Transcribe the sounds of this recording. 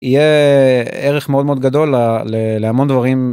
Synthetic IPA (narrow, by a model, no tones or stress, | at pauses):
ije | eʁeχmeodmeod̪̚ɡad̪o̞lːaleleamo̞nd̪vaʁim